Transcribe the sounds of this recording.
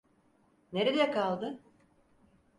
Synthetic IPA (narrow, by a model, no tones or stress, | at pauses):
ne̞ɾed̪ɛkʰalˠd̪ɯ